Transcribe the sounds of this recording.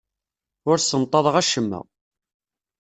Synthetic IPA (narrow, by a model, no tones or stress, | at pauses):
ʊɾsənt̪ˤːɑðˤʁæʃəmːə̰